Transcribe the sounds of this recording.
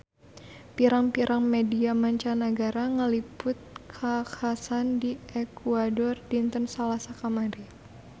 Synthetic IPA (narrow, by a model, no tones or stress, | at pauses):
piɾaŋpiɾʔaŋmediamaɲt͡ʃanəɡaɾaŋəlipʊt̪̚kʰakasandiɛkuadɔrdint̪ɔnsalasakamaɾi